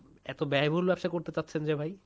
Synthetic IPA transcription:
ɛt̪obɛebʱolbɛbʃakoɾt̪et͡ɕatːʰend͡ʑebʱaj

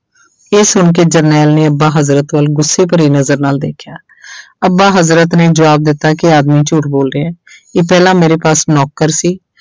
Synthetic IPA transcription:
eːsʊɳk̬eːd͡ʒəɾnɛːlneːəbːãːɦəzɾət̪ʋəlɡʊsːeːpəɾiːnəzəɾnaːld̪ḛːkʰjaː | əbãːɦəzɾət̪nẽːd͡ʒəʋaːb̚d̪ɪt̪ːaːkɪaːd̪miːt͡ʃuːʈboːlɾeːɛ̃ːeːpɛːlãːmeːɾeːpaːsnɔːkːəɾsiː

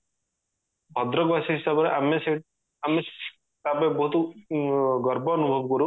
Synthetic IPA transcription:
bʱɔd̪ɾɔɡasiɦisabɔɾeʔamese | ame̥ | t̪abebɔɦut̪ɔ | ɡɔɾbɔnubʱɔbkɔɾu

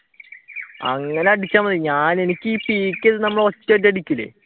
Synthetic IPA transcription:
ɐ̰ŋːɐneɐɽit͡ɕʲːaːmɐðiɲaːne̞nikʲːɨiːpiːkʲːeðɨnɐmːɐɭot͡ɕːɐʈ̬ːɐɽikʲːulːḛː

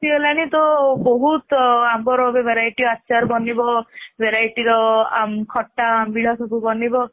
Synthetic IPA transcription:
tielañit̪ɔboɦut̪amkɔɾɔbebʱeɾajʈiɾɔatːʃaɾbɔnibɔbʱeɾajʈiɾɔa̰mkʰɔʈːaambiɭɔsʰɔbubɔnibɔ

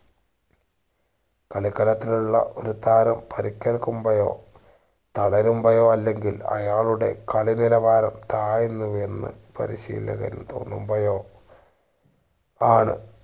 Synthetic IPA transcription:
kɐɭikːɐlɐt̪ːiluɭːɐ̰ʔo̞ɾut̪aːɾɐmpɐɾikʲːeɻkːumbɐjo̞̰ː | t̪ɐɽɐɾumbɐjo̞ːɐlːe̞ŋɡilɐ̰jaːɭuɽe̞̰kɐɭiniɾɐʋaːɾɐmt̪aːjinːuʋe̞nːɨ̰pɐ̰ɾiɕḭːlːɐɣɐ̰ɾṵt̪o̞̰ːnːṵmbɐjo̞ː | aːɳɨ̰

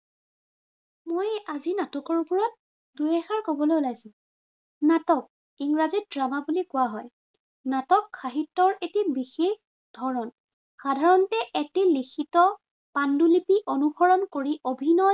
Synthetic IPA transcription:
mojazinatɔkɔɹpɔɹɔt̚ | dujɛxaɹkobɔlojulajsĩ | natɔk̚ | iŋɹazit̚dɹamabulikʊwaɦɔj | natɔkʰːaɦitːɔɹetibixex | d̥ʱɔɹɔn | xadʱaɹɔntɛʔɛtɛlixʰitɔ | pandulipiʔonuɡɔɹɔnkoɹiʔobʱinɔj

